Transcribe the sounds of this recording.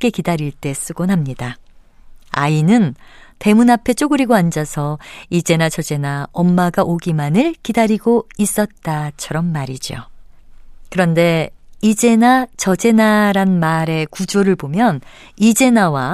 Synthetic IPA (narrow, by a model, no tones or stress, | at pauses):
k͈e̞kidaɾiɭt͈e̞s͈ɯɡonamɲida | a̰inɯnte̞munapʰe̞t͡ɕ͈oɡɯɾiɡoand͡ʑasʰʌid͡ʑe̞nat͡ɕʌd͡ʑe̞naʌmːaɡaʔoɡimanɯɭkidaɾiɡois͈ʌt̚t͈at͡ɕʰʌɾʌnmaɾid͡ʑjo̰ | kɯɾʌnde̞id͡ʑe̞nat͡ɕʌd͡ʑe̞naɾanmaɾe̞kud͡ʑoɾɯɭpomjʌn | id͡ʑe̞nawa